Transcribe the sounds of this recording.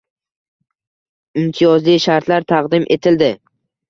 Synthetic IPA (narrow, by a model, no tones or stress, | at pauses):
ɪmt̪ʰijɒzlijʃaɾt̪ʰlaɾt̪ʰaqd̪ɪmʔe̞t̪ʰɪld̪ɪ